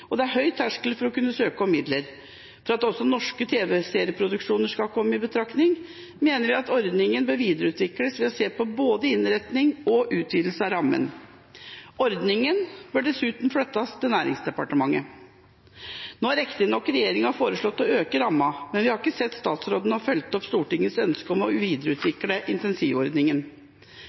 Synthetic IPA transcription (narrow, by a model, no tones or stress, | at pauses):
ɔd̪ɛæɾɦœʏt̪ʰæʂklfɔɾɔkʉnːəsøːkəɔmɪd̪ləɾ | fɔɾɑt̪ɔsːɔnɔʂkət̪ʰeːʋɛseːɾɪəpʰɾʊd̪ʉkʂuːnəʂkɑlkʰɔmːəɪbət̪ʰɾɑknɪŋ | meːnəɾʋɪɑt̪ɔɾd̪nɪŋənbøːɾʋiːd̪əɾəʉːt̪ʰʋɪkləsʋɛɑseːpɔboːd̪əɪnɾɛt̪nɪŋɔʔʉːt̪ʰʋiːd̪lsəɑɾɑmːə̰n | ɔɾd̪nɪŋənbʉɖɛsʉːt̪nfɽœt̪ːɑst̪ʰɪnæːɾɪ̰ŋsd̪ɛpɑʈəmɑŋːə | noːɾɛkt̪ɪnɔkːɾɛjeːɾɪŋhɑfoːɾəʂɭɔt̪ːɔøːkəɾɑmːɑmɛnʋɪhɑɾɪkːəsɛt̪ːst̪ɑːt̪sɾoːd̪ənhɑɾfœlt̪ɔpst̪uːʈɪŋːənsœnskəɔmɔʋiːd̪əɾəʉːt̪ʰʋɪkləʔɪnt̪ɛnsiːʋɔɾd̪nɪŋən